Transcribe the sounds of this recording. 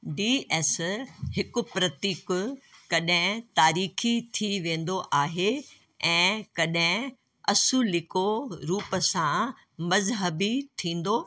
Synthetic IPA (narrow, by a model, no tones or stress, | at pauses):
ɖiːɛːshɪkʊ̆pɾɐt̪iːkʊkɐɗɦɪ̃t̪aːɾiːxʰit̪ʰiʋẽːn̆d̪oʔaːɦe | ɛ̃ːkɐɗɦɪ̃ | ɐsulɪkoɾuːpəsã | mɐzɦəbit̪ʰĩːn̆d̪oː